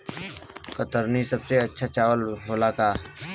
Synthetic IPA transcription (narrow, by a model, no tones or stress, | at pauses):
kət̪əɾnisəbseətːʃʰat͡ʃaːʋəlɦoːlaːkaː